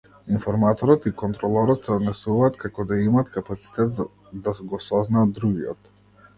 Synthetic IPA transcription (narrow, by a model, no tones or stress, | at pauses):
infɔɾmat̪ɔɾɔt̪ikɔnt̪ɾɔlˠɔɾɔt̪sɛɔd̪nɛsuvaːt̪kakɔd̪aimaːt̪kapat̪si̥t̪ɛt̪a | d̪asɡɔsɔznaːd̪ːɾuɡiɔt̪